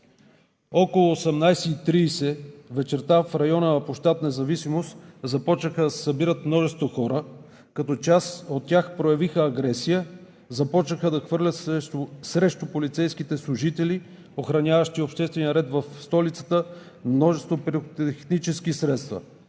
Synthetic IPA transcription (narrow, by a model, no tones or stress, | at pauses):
ɔkolˠʊːsɛmnajsɛit̪ɾiːsɛvɛt͡ʃɛɾt̪afɾɐjɔnəːpoʃt̪at̪nɛzɐvisimost̪zɐpɔt͡ʃnəxəd̪ɐsɛ̥sɐbiɾət̪mnɔʒɛst̪voxɔɾə | kɐt̪ɔt͡ʃasot̪ːʲaxpɾojɐvixəːɡɾɛsijə | zɐpɔt͡ʃnəxəd̪ɐxvɤɾlʲət̪ssɾɛʃt̪ʊpolit̪sɛjskit̪ɛslˠʊʒit̪ɛli | oxɾɐnʲjavɐʃt̪iopʃt̪ɛst̪vɛnijəɾɛt̪vɐfst̪ɔlit̪sə̥t̪ə | mnɔʒɛst̪vopɾit̪ɛxnit͡ʃɛskisɾɛt̪st̪vɐ̰